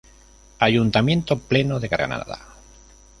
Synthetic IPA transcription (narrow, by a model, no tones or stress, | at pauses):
aʝunt̪amjẽ̞nt̪oplenoðeɣaɾɣa̰na̰ða̰